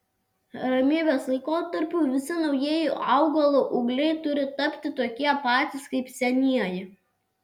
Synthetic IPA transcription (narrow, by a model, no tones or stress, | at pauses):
ɾɐmʲiːbʲeːslˠɐɪkoːt̪ɐɾʲpʲuːʋʲɪsʲɪnɒʊjiɛjuʔɐʊɡɐlˠoːʔʊɡlʲɛɪt̪ʊɾʲɪt̪ɐpʲt̪ʲɪt̪oːkʲiɛpɑːt̪ʲɪskɐɪpsʲɛnʲiɛjɪ